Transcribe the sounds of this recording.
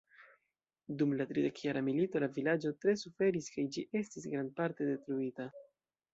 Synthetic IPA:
dumlatɾide̞kjaɾamilito̞lavilad͡ʒo̞tɾe̞sufe̞ɾiskajd͡ʒiʔe̞stisɡɾand̚paɾte̞de̞tɾuita

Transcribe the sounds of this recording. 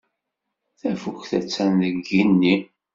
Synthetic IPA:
θæfukθæt͡sːænðəɡinːi

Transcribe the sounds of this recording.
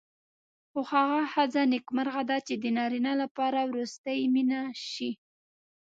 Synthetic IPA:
xohaɣahazanɪkmaɾɣad̪ɑt͡ʃed̪ənɑɾinalapɑɾawɾust̪əjminaʃi

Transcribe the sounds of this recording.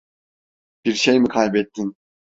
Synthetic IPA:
b̥iɾʃejmikʰalʲbɛt̪ʰːin

